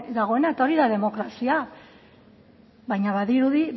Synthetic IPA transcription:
d̪aɣ̞o̞e̞naet̪aoɾiðaðe̞mo̞kɾasia | βajɲaβaðiɾuði

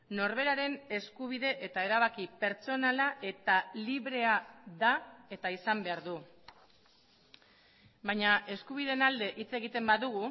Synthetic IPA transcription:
no̞ɾβ̞e̞ɾaɾe̞ne̞skuβ̞iðe̞ʔet̪ae̞ɾaβ̞akipe̞ɾt͡so̞nalaʔe̞t̪aliβɾe̞aðae̞t̪aisambe̞aɾðu | bajɲae̞skuβ̞iðe̞nald̪e̞ʔit͡se̞ɣit̪e̞mbaðuɣu

